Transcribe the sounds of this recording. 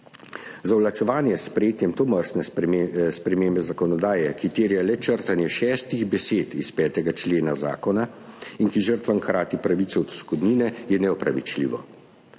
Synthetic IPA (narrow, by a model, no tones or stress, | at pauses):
zawlat͡ʃɛʋaːnjɛsːpɾɛjeːt̪jɛmt̪oməɾsnɛspɾɛmeːmbɛzakɔnɔd̪aːjɛkit̪eːɾjalɛt͡ʃəɾt̪anjɛʃɛːst̪iɣbɛseːt̪ispɛːt̪ɛɡat͡ʃleːnaza̰ːkɔna | inkiʒəɾt̪ʋaŋkɾaːt̪ipɾaʋit̪sɛɔt̪skɔd̪niːnɛjɛnɛɔpɾa̰ʋḭt͡ʃlḭːʋɔ̰